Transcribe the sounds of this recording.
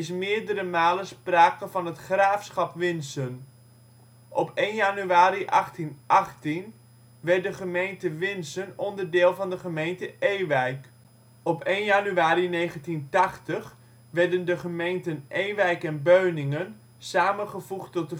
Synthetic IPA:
ɪs̬mɪːɹdəɾəmaːləspraːkəvɑnɦətχraːfsχɑpʋɪnsən | ʔɔpʰejnjanyaːɾiʔɑχtinʔɑχtin | ʋɛɹt̚dəχəmejntəʋɪnsənɔndərdɪːlˠvɑndəχəmejntəejʋɛjk | ɔpejnjanyaːɾinejχəntintɑχtəχ | ʋɛɹdəndəχəmejntənʔejʋɛjkɛnbøɥnɪŋən | saːməχəvuχtɔt̚ə

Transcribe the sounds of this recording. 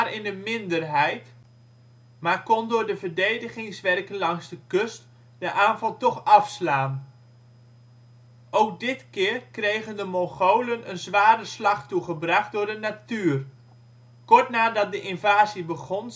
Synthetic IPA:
rɪndəmɪndərɦɛjt | maːɹkɔndʊːɹdəvəɹdejdəχɪŋsʋɛrkənlɑŋzdəkɵst | dəʔaːnvɑlˠtɔχɑfslaːn | owk̚dɪtkɪːrkrejχəndəmɔχowlənənzʋaːɾəslɑχtuχəbrɑχt̚dʊːɹdənatyːr | kɔɹtnaːdɑt̚dəʔɪnvaːzibəχɔn

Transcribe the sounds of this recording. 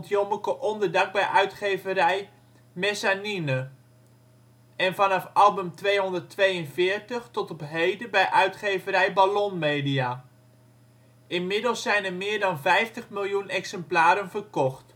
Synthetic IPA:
ntjɔməkəʔɔndəɹdak̚bɛjʔœɥtχejvəɾɛj | mɛsaninə | ʔɛnvɑnɑfɑlˠbəmtʋejɦɔndərtʋejənvɪːɹtəχtɔtɔpɦejdəbɛjʔœɥtχejvəɾɛjbalɔnmeːdia | ɪnmɪdəlˠsːɛjnəɹmɪːɹdɑnvɛjftəχmɪlˠjunɛksɛmplaːɾənvərkɔχt

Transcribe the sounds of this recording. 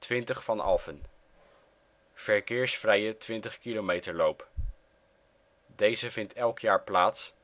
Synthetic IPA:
tʋɪntəχfɑnɑ̰lˠvən | v̥ɛɹkɪːɹsfrɛjətʋɪntəχkilowmejtəɹlowp | dejzəvɪntɛlˠkʰjaːɹplaːts

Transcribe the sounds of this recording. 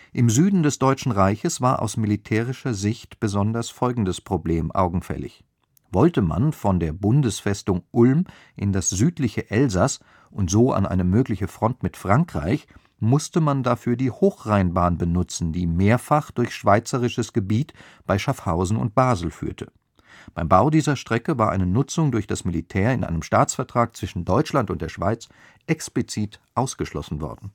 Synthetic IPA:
ʔɪmzyːdn̩dɛsd̥ɔʏt͡ʃn̩ʁaɪçəsv̥aːɐʔa̰ʊsmilitʰɛːʁ̞ɪʃɐzɪçtb̥əzɔndɐsfɔlɡŋ̩dəspʁ̥obleːmʔa̰ʊɡŋ̩fɛ̰lɪ̰ç | vɔltəma̰nfɔndeːɐbʊndəsfɛstʊŋʔʊlm | ʔɪndasz̥yːtlɪçəʔɛlzas | ʔʊntz̥oːʔa̰nʔa̰ɪnəmøːklɪçəfʁ̥ɔntmɪtfʁ̥aŋkʁ̥a̰ɪç | mʊstəmandafyːɐdiːhoːxʁaɪnbaːnbənʊt͡sn̩diːmeːɐfaχd̥ʊɐçʃv̥aɪt͡səʁɪʃəsɡ̥əbiːt | b̥aɪʃafhaʊzn̩ʊ̰nt̚b̥aːzl̩fy̰ːɐtʰə | b̥aɪmbaʊdiːzɐʃtʁ̥ɛkəvaːɐʔa̰ɪnənʊt͡sʊŋdʊɐçd̥asmilitʰɛːɐɪnʔa̰ɪnəmʃtaːt͡sfɛɐtʁ̥aːk̚t͡sv̥ɪʃn̩dɔʏt͡ʃlantʊnt̚d̥eːɐʃv̥aɪt͡s | ʔɛksplit͡siːtʔaʊsɡ̥əʃlɔ̰sn̩vɔ̰ɐdn̩

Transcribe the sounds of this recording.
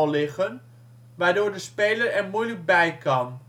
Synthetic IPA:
lɪɣən | ʋaːɹdoːɹdəspeːlərɛɹmujlək̚bɛjkʰɑn

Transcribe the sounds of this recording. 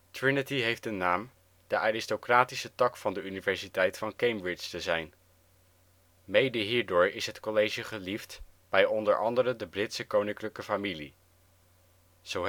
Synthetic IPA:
tɹɪnətiɦejftənːaːm | d̥əʔaːrɪstokraːtisətɑkfɑndəynivɛɹsitɛjtfɑnkejmbɹɪt͡ʃtəzɛjn | mejdəɦiːɹdʊːɹɪsɦətkɔlejʒəχəliftb̥ɛjɔndə̰ɹʔɑ̰ndəɾədəbrɪtsəkownɪŋkləkəfamilḭ | z̥o

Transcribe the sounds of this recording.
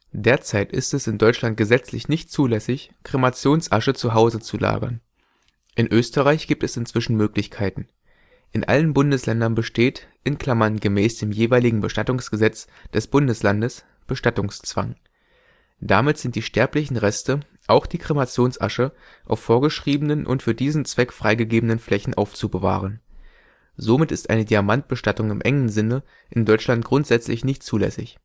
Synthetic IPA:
d̥eːɐt͡saɪtʔɪstɛsɪndɔʏt͡ʃlant̚ɡ̥əzɛt͡slɪçnɪçtt͡suːlɛsɪçkʁ̥emat͡sjoːnsʔa̰ʃət͡suɦaʊzət͡sula̰ːɡɐ̰n | ʔɪnʔøːstəʁaɪçɡ̥iːp̚tɛsɪnt͡sv̥ɪʃn̩møːklɪçkʰaɪtn̩ | ʔɪnʔa̰lənbʊndəslɛndɐnbəʃteːtʔɪnkl̥amɐnɡəmɛːsd̥eːmjeːvaɪlɪɡŋ̩bəʃtatʊŋsɡ̥əzɛt͡s | d̥ɛsb̥ʊndəslandəs | b̥əʃtatʊŋst͡sv̥a̰ŋ | d̥amɪtz̥ɪnt̚d̥iːʃtɛɐplɪçn̩ʁɛstə | ʔaʊxd̥iːkʁ̥emat͡sjoːnsʔa̰ʃə | ʔa̰ʊfːoːɐɡəʃʁ̥iːbənənʔʊ̰ntfyːɐdiːzn̩t͡sv̥ɛkfʁ̥aɪɡəɡeːbənənflɛçn̩ʔa̰ʊft͡subəva̰ːʁ̞ən | zomɪtɪstʔa̰ɪnədiamant̚b̥əʃtatʊŋɪmʔɛŋənzɪnə | ʔɪndɔʏt͡ʃlant̚ɡ̥ʁʊntz̥ɛt͡slɪ̰çnɪçtt͡suːlɛ̰sɪ̰ç

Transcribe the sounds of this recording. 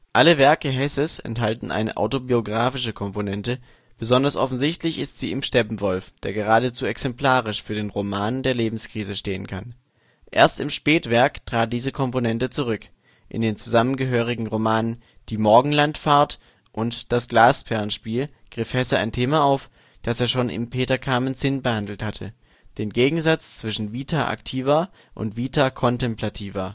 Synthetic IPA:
ʔaləvɛɐkəɦɛsəsɛ̰ntɦaltn̩ʔa̰ɪnə̰ʔa̰ʊtobioɡʁaːfɪʃəkʰɔmponɛntə | b̥əzɔndɐsʔɔfn̩zɪçtlɪçɪstz̥iːɪmʃtɛbm̩vɔlfd̥eːɐɡəʁ̞aːdət͡suːɛksɛmpl̥aːʁɪʃfyːɐdeːnʁomaːndeːɐleːbm̩skʁ̥iːzəʃteːənkʰan | ʔḛːɐstɪmʃpɛːtv̥ɛɐktʁ̥aːt̚d̥iːzəkʰɔmponɛntət͡suʁ̞ʏk | ʔɪ̰ndeːnt͡suzamənɡəɦøːʁ̞ɪɡŋ̩ʁomaːnən | d̥iːmɔɐɡŋ̩lantfaɐt | ʔʊntd̥asɡ̥laːsfɛɐnʃpiːl | ɡ̥ʁɪfhɛsɐa̰ɪntʰeːmaaʊf | d̥aseːɐʃoːnʔɪ̰mpʰeːtɐkʰaːmənzɪnbəhandl̩thatʰə̰ | d̥eːnɡeːɡŋ̩zat͡st͡sv̥ɪʃn̩viːtʰaʔa̰ktʰiːvɐ | ʔʊ̰ntv̥iːtʰakʰɔntɛmplatʰiːvɐ

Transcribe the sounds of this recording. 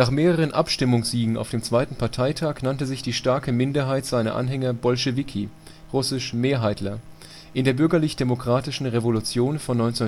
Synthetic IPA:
naːχmeːʁəʁ̞ənʔapʃtɪmʊŋsz̥iːɡŋ̩a̰ʊfd̥eːmt͡sv̥aɪtn̩pʰaɐtʰaɪtʰaːknantəzɪçd̥iːʃtaɐkəmɪndɐɦaɪtz̥aɪnɐ̰ʔa̰nɦɛŋɐbɔlʃevikʰi | ʁʊsɪʃmeːɐɦaɪtlɐ | ʔɪndeːɐbʏɐɡɐlɪçd̥emokʁ̥aːtɪʃn̩ʁevolut͡sjoːnfɔnːɔʏnt͡sen

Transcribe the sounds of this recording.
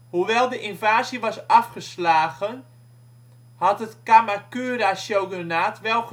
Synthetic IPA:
huʋɛlˠdəʔinvaːziʋɑsafχəslaːɣən | hɑtətkamakyːɾaʃjowɡənaːtʋɛlˠ

